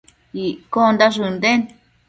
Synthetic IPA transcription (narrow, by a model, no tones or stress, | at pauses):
ikond̪aʐɨnd̪en